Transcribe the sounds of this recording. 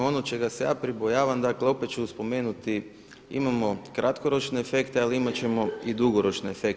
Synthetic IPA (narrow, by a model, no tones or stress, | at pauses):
o̞not͡ʃeɡaseja̰ːpɾibojaːʋamd̪akleopet̪̚t͡ʃuuspo̞me̞ːnut̪i | ḭmamo̞kɾʔat̪ko̞ɾo̞t͡ʃne̞ːfe̞kt̪ealiimat͡ɕe̞mo̞id̪uɡo̞ɾo̞t͡ʃneːfe̞k